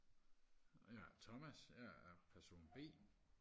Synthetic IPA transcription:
jæt͡sʰɒ̽mæsjææɐpʰæɐso̝̰ːnb̥e̝̰ː

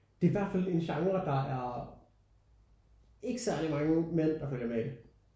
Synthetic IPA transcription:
d̥e̝æɐʋæɐd̥fæle̝nɕɑ̈ŋʁɐd̥ɑ̈æɐ | e̝ɡ̥əsæɐ̰limɑ̈ŋəmen̰d̥ɑ̈føl̰jɐmeid̥e

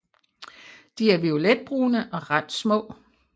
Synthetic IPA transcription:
d̥iæɐʋio̝led̥̚b̥ʁuːnəʔɒ̽ʁɑd̥smɔ̰̽ː

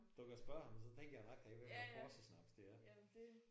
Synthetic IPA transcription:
d̥ukʰæsb̥ɶɐ̰hɑ̈mnsɒ̽t͡sʰeŋ̰ɡ̥ɐjɑ̈ɑɡ̥hæʋeɡ̥ɒ̰ːsɒsnɑb̥̚d̥d̥e̝æɐ

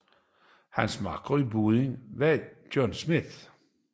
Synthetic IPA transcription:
hænsmɑ̈ɡ̥ʁɐibuðˠeŋʋæd̥jɔnsmiθ

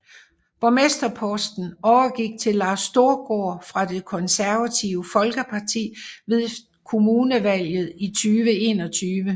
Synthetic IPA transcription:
b̥ɒmesd̥ɐpʰɔ̽sd̥n̩ɒʊɐɡ̥iɡ̥̚t͡sʰe̝lːɑ̈ːsːd̥o̝ɐɡ̥oːfʁɑ̈d̥e̝kʰɒ̽nsæɐʋæt͡sʰiʊəfɒ̽lɡ̥əpʰɑ̈t͡sʰḭːʋe̝ðˠ | kʰo̝muːnəʋæl̰jð̩ˠit͡sʰyːʋəe̝ːnɒ̽t͡sʰyːʋə

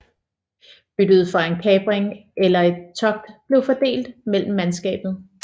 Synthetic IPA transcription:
b̥yd̥əð̞̩ˠfʁɑ̈e̝nkʰɛːb̥ʁeŋʔelɐe̝d̥̚t͡sʰɒ̽ɡ̥̚d̥b̥le̝ʊfɒ̽d̥e̝̰ːld̥mel̰m̩ːænsɡ̥ɛ̰ːb̥ð̩ˠ

